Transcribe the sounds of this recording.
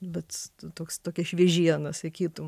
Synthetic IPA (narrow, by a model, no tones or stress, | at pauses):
bʲɛt̪t̪oːkst̪oːkʲɛʃʲʋʲiɛʒʲiɛnɐsɐɪkʲiːt̪ʊm